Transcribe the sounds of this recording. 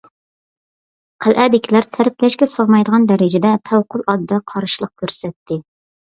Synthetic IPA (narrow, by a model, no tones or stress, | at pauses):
qʰælʔæːd̪ɪkʲʰilæɾt̪ʰæɾɪplɛʃkʲɛsəʁmɑjd̪əʁɑnd̪ɛɾɪd͡ʒɪd̪ɛpʰæwqʰʊlˠɑd̪ːɑqʰɑɾɨʃlˠəq̚kʲʰøɾsɛt̪ʰːɪ